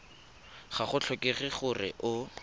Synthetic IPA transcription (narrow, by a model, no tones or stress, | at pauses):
χaχʊt͡ɬʰɔkeχɪχʊrɪ̰ʔʊ